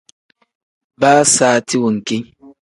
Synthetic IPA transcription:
baː˦saː˨˦ti˦wu˨ŋ̩˨ki˦ɲ

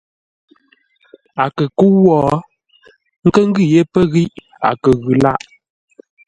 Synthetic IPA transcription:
a˨kə˨ku˦wɔː˦˨ | ŋ̩˦kə˦ŋ̩˦ɡi˦˨je˦pə˦ɣi˦ʔ | a̰˨kə˨ɣʉ˨la̰˦ʔ

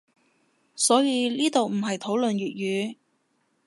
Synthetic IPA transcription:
sɔː˨˥jiː˨˧liː˥t̪o˨wm̩˨˩ɦɐ˨jt̪ʰo˨˥wlɵ˨nɥyː˨t̚jyː˨˧

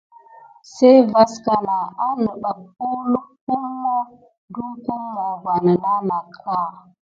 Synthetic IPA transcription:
se˦jva˦ska˨na˨a˦nə˨ɓa˨ku˦lu˦ku˦lma˦ | du˦ku˦mːa˨ɡa˨na˨la˦na˨kʰa˦˨

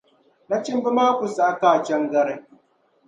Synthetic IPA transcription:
na˦t͡ʃɪ˦mbɪ˦maː˦kʷu˨sʔa˦kaː˨t͡ʃɛ˦ŋɡɐ˦ɾe˨

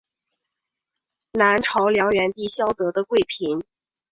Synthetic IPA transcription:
na˧˥nʈ͡ʂʰɑ˧˥ʊljɑ˧˥ŋɥɛ˧˥nt̪i˥˩ɕjɑ˥ʊt̪ɤ˧˥d̪ə˧kwe˥˩ɪpʰi˧˥n

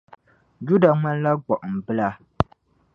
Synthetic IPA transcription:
d͡ʒu˦da˨ŋa˦n˦la˦ɡ͡bɔ˨ʔm̩˨bɨ˦la˦

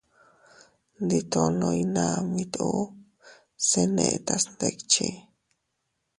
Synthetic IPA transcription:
nd̪i˧t̪o˧nõ˧jna˧mĩ˧t̪o˦ | se˧nḛ̃˧ʔt̪a˧snd̪e˧kt͡ʃe˧

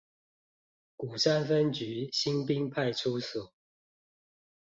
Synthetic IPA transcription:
ku˨˩sa˥˨nfə˦nt͡ɕy˨˦ɕi˦ŋpi˦ŋpʰa˥˨ɪʈ͡ʂʰu˦su˨˩˦

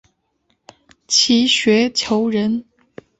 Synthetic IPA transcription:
t͡ɕʰi˧˥ɕɥɛ˧˥t͡ɕʰjo˧˥ʊɻə˧˥n

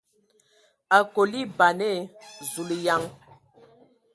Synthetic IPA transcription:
a˨ko˨li˦ba˨nɛ˦˨zu˨li˨ja˦ŋ

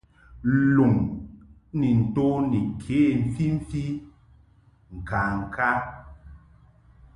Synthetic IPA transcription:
lu˨ŋ | ni˨n̩˨to˦ni˨kʰeː˨˦˨m̩˨fi˦m̩˦fi˦ | ŋ̩˨ka˨ŋ̩˨kʰa˦

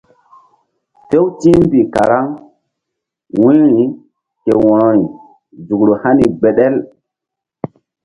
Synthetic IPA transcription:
te˦wtĩ˦mbi˨ka˨ɾa˦ŋ | wĩ˦ɾi˦ | ke˨wã˨i˨ | zu˨kɾo˨ha˦ni˨ɡ͡be˨ɗe˦l

